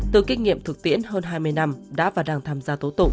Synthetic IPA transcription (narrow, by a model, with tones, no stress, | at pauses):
t̪ɨ˨˩ki˧ŋ̟ŋḭ˧˨əmt̪ʰɨ˨˩k̚t̪ḭ˧˥ənhəː˧nɦaː˧jmɨ˧əjna˧mɗa̰ː˧˥vaː˨˩wɗaː˨˩ŋt̪ʰaː˧mzaː˧t̪o˨˦t̪u˨˩